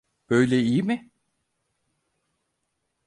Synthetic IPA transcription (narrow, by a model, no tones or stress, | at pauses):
b̥øjlʲɛijimɪ